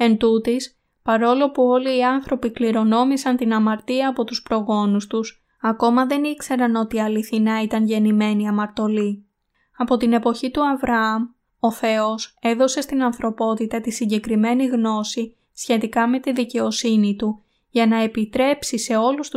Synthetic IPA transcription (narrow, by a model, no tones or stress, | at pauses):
e̞nd̪ut̪is | pɐɾo̞lo̞puo̞liːɐnθɾo̞pikliɾo̞no̞misɐnt̪inɐmɐɾt̪iɐːpo̞t̪uspɾo̞ɣo̞nust̪us | ɐko̞mɐðe̞nikse̞ɾɐno̞t̪iɐliθinɐit̪ɐnʝe̞nime̞niɐmɐɾt̪o̞li | ɐpo̞t̪ine̞po̞çit̪uɐvɾɐɐm | o̞θe̞o̞se̞ðo̞se̞st̪inɐnθɾo̞po̞t̪it̪ɐt̪isiɲɟe̞kɾime̞niɣno̞si | sçe̞t̪ikɐme̞t̪iðice̞o̞sinit̪u | ʝɐnɐe̞pit̪ɾe̞psise̞o̞lust̪u